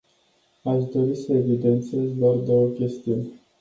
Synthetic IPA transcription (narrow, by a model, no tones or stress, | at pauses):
aʃd̪o̞ɾisəe̞vid̪e̞nt̪sie̞zd̪oard̪o̞wəkʲe̞st̪iunʲ